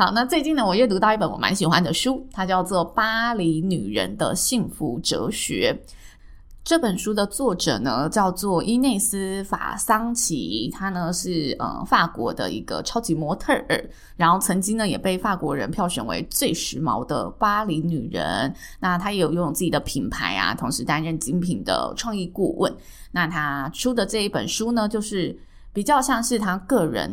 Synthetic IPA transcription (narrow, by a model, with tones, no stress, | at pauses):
xɑ˨˩˦ʊna˥˧t͡swe˥˧ɪt͡ɕi˥˩nə˩wɔ˨˩jɥɛ˥˩t̪u˧˥t̪ɑ˥˧ʊi˥pə˧˩nwɔ̰˨˩ma̰˧˥nɕi˨˩xwa˥nd̪ə˨ʂu˥t̪ʰa˥t͡ɕjɑ˥˧ʊt͡swɔ˥˩pa˥li˧˥ny˨˩ɻə̰˧˥nd̪ə̰˧ɕi˥˩ŋfu˧˥ʈ͡ʂɤ̰˧˥ɕɥɛ̰˧˥ | ʈ͡ʂɤ˥˩pə˨˩nʂu˥d̪ə˨t͡swɔ˥˩ʈ͡ʂɤ̰˨˩nə˦t͡ɕjɑ˥˧ʊt͡swɔ˥˩ʔi˥ne˥˩ɪsɹ̩˥fa̰˨˩sɑ˥ŋt͡ɕʰḭ˧˥t̪ʰa˥nə˨ʂɻ̩˥˩ə̰˩fa˥˩kwɔ̰˧˥d̪ə̰˧ḭ˧˥ɡə̰˧ʈ͡ʂʰɑ˥ʊt͡ɕi˧˥mwɔ˧˥t̪ʰə˥˩ʔə̰˞˨˩ | ɻa˧˥nxo˥˩ʊt͡sʰɤ˧˥ŋt͡ɕi˥ŋnə˨jɛ˨˩pe˥˧ɪfa˥˩kwɔ˧˥ɻə˧˥npʰjɑ˥˩ʊɕɥɛ˨˩nwḛ˧˥ɪt͡swe˥˩ɪʂɻ̩˧˥mɑ̰˧˥ʊd̪ə̰˧pa˥li˧˥ny˨˩ɻə̰˧˥n | na˥˩t̪ʰa˥jɛ˧˥jo˨˩˥ʈ͡ʂŋt͡sɹ̩˥˩t͡ɕi˨˩d̪ə˦pʰi˨˩ŋpʰa˧˥ɪa̰˧t̪ʰʊ˧˥ŋʂɻ̩˧˥t̪a˥nɻə˥˩nt͡ɕi˥ŋpʰi˨˩ŋd̪ə̰˦ʈ͡ʂʰwɑ˥˧ŋi˥˧ku˥˧wə̰˥˩n | na˥˩t̪ʰa˥ʈ͡ʂʰu˥d̪ə˨ʈ͡ʂɤ˥˧i˥˩pə̰˨˩nʂu˥nə˨t͡ɕjo˥˧ʊʂɻ̩˥˩ | pi˨˩t͡ɕjɑ˥˧ʊɕjɑ˥˧ŋʂɻ̩˥˩t̪ʰa˥kɤ˥˩ɻə̰˧˥n